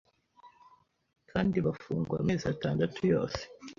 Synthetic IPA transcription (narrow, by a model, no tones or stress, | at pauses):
kʰaːndiβafuːŋɡwa̰mezataːndatʰujo̞̰ːse̥